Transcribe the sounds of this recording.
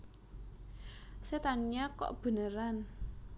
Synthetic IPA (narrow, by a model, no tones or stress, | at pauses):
set̪anɲakɔ̰ʔb̥ə̤nəɾan